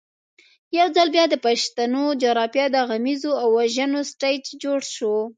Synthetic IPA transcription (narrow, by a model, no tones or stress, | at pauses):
jawd͡zalbjɑd̪əpaʃt̪anod͡ʒaɾɑpjɑd̪aɣamizoawːaʒanosʈajʈd͡ʒoɽʃo